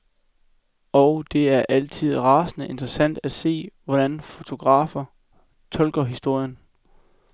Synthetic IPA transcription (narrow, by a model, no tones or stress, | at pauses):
ɒʊd̥e̝æɐʔæl̰t͡sʰið̞̰ˠʁɑ̈ːsnəe̝nd̥ʁəsæn̰d̥æse̝̰ːʋɒɾ̥ænfo̝t͡sʰo̝ɡ̥ʁɑ̰̈ːfɐ | t͡sʰɒ̽lɡ̥ɐɦisd̥o̝ɐ̰jən